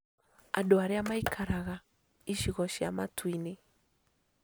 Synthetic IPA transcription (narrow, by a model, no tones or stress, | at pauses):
a̰ɗɔaɾeamaikʰaɾaɣa | iʃiɣɔʃiamatwine